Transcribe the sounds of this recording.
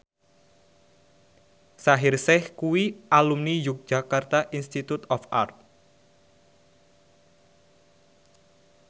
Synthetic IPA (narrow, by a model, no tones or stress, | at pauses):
saɦɪrsɛhkuwiʔalumnijʊk̚d̥ʒ̥a̤kart̪aʔinst̪it̪ut̪ɔfa̰rt̪̚